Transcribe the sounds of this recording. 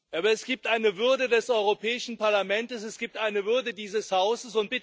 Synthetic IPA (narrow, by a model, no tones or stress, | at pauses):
ʔaːbɐɛsɡ̥iːp̚tʔaɪnəvʏɐdədɛsʔɔʏʁopʰɛːɪʃn̩paɐlamɛntəsɛsɡ̥iːp̚tʔaɪnəvʏɐdədiːzəshaʊsəsʊnt̚b̥ɪ